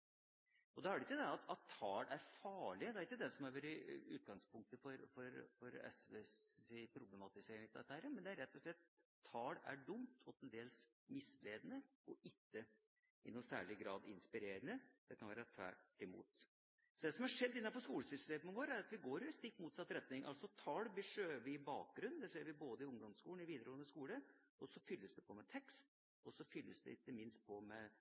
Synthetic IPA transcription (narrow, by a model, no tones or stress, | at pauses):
ɔd̪ɑæɖɛɪkːəd̪ɛɑt̪ɑt̪ʰːɑːɽæɾfɑːɭɪəd̪ɛæɾɪkːəd̪ɛsɔmæɾʋɛɾəʉ̰ːt̪̚ɡɑŋspʰʊŋk̚t̪əfɔɾfɔɾfɔɾɛ̰sʋeɪpʰɾʊblɛmɑt̪ɪseːɾɪŋt̪ɛt̪ːhæːɾəmɛnd̪ɛæɾɛt̪ʰːɔʂlɛt̪ʰː | ɑːɽæ̰ɖʊmt̪ʰɔt̪ɛnd̪eːls | mɪsleːd̪ənə | ɔʔɪkːə | ɪnʊnsæ̰ːɭɪɡɾɑːd̪ɪnspɪɾeːɾənəd̪̥ɛkʰɑnʋæːɾɑt̪ʰʋæ̰ʈːɪmṵːt̪ | sɔd̪ɛsɔmæʂɛd̪ːɪnːɑnfɔʂkuːləsʏst̪eːmənʋoːɾæɾɑt̪ʋɪɡoːɾʉst̪ɪkːmuːt̪sɑt̪ːɾɛt̪ːnɪŋʔɑ̰lsɔt̪ʰɑːlbəʂøːʋɪɪbɑ̰ːk̚ɡɾʉnd̪ɛseːɾʋɪboːd̪əɪʊŋd̪ɔmskuːln̩ɪʋiːd̪əɾoːnəskuːləɔsɔfʏlːəsd̪ɛpʰɔmɛt̪ʰɛkst̪ | ɔsɔfʏlːəsd̪ɛ̰ɪt̪ːəmɪnst̪̚pʰɔmɛ